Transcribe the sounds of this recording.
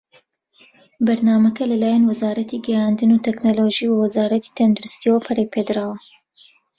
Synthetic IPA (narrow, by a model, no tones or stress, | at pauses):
bɐɾnaːmɐkɐlɐlaːjanwɐzaːɾɐt̪ʰiɡɛjaːnd̪ɨnut̪ʰɛknoloʒiwwɐzaːɾɐt̪i̥t̪ʰɐnd̪uɾɨst̪iɛwɐpʰɐɾeːpʰeːd̪ɨɾaːwɐ